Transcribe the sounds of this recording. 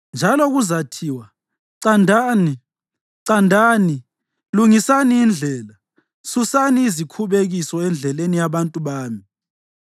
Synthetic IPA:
nd͡ʒʱalɔɣuzatʰiːwa | ǀandʱaːni | ǀandʱaːni | luŋisaniːnd͡ɮʱɛːla | susaniːzikʰuβeɣisɔɛnd͡ɮʱɛlenijaβantʼuβaːmi

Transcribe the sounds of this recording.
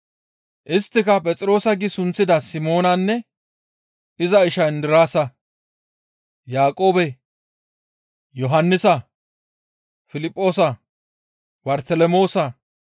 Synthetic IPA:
ʔɪst̪ːɪkɐpʼɛt͡sʼɾo̞ːsɐɡɪsʊnt͡sːɪd̪ɐsɪmo̞ːnɐnːɛ | ɪzɐɪʃɐɪnd̪ɪɾaːsɐ | jaːkʼo̞ːbɛ | jɔɦɐnːɪsɐ | fɪlɪpʼːo̞ːsɐ | bɐɾt̪ɛlɛmo̞ːsɐ

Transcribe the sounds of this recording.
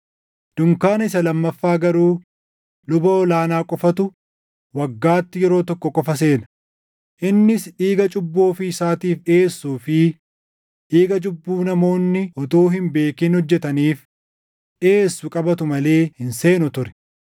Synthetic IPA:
d̪̥ʊŋkaːnɐɪsɐlɐmːɐfːaːɡɐɾuː | lʊbɐɔlaːnaːkʼɔfɐt̪ʊ | wɐɡːaːt̪ːɪjɛɾo̞ːt̪ɔkːɔkʼɔfɐs̬e̞ːnɐ | ʔɪnːɪsᶑiːɡɐt͡ʃʼʊbːo̞ːfɪɪsaːt̪iːfᶑeːsːuːfɪ | ᶑiːɡɐd͡ʒʊbːuːnɐmo̞ːnːɪɔt̪oːɦɪmbe̞ːkiːnhɔd͡ʒːɛt̪ɐniːf | ᶑe̞ːsːʊkʼɐbɐt̪ʊmɐle̞ːhɪnse̞ːnʊt̪ʊɾɛ̥

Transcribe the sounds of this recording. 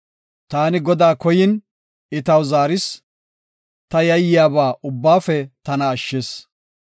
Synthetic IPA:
t̪aːnɪɡɔd̪aːkɔjɪn | ɪt̪ɐwzaːɾɪs | t̪ɐjɐjɪjaːbaːʔʊbːaːfɛt̪ɐnɐːʃːes

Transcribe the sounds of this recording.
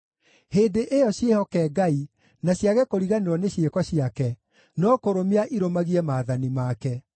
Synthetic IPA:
heːdeʔejɔɕjehɔkɛːɡai | naɕjaɣɛkoɾiɣaneɾɔneɕjekɔɕiakɛ | nɔkoɾomiaʔiɾomaɣiɛmaːðanimaːkɛ

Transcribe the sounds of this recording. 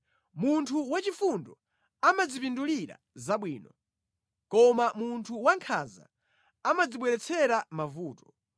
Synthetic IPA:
muntʰuwat͡ʃifundɔ | amad͡zipinduliɾa̰ | zaɓwiːnɔ | kɔmamuntʰuwaŋkʰa̰za̰ | amad͡ziɓwɛɾɛt͡sʰɛɾamavuːtɔ̥

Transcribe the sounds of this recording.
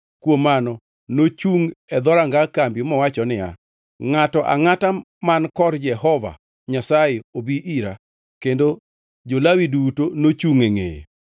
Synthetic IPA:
kwomanɔ | not͡ʃuŋɛd̪ɔɾaŋɡakambjomɔwat͡ʃɔnɪja̰ | ŋatɔʔa̰ŋata | mankɔɾd͡ʒɛhɔva̰ | ɲasaɪobiʔiɾa | kendo | d͡ʒolawidutonot͡ʃuŋeŋḛḛ

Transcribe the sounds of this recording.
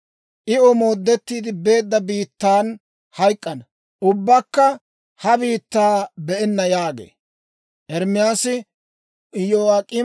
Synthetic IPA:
ʔɪɔmoːd̪ːɛt̪ːiːd̪ɪbe̞ːd̪ːɐbiːt̪ːaːn | hɐjkʼːɐn | ʊbːɐkːɐ | hɐbiːt̪ːaːbɛʔɛnːɐjaːɡḛː | ʔɛɾmɪjaːsɪ | joːɐkʼɪ

